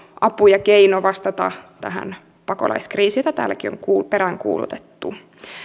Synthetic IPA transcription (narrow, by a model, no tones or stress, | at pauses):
ʔɑpujɑkeinoʋɑst̪ɑt̪ɑt̪æɦæ̰n | pɑko̰lɑ̰iskriːsijot̪ɑt̪æ̰ːlːækio̰ŋkuːlpeɾæŋkṵːlṵt̪e̥t̪ːu